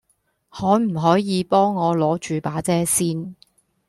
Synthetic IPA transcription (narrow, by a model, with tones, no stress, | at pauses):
hɔː˨˥m̩˨˩ɦɔː˨˥jiː˨˧pɔː˥ŋːɔː˨˧lɔː˨˥t͡ʃyː˨paː˨˥t͡sɛː˥siː˥n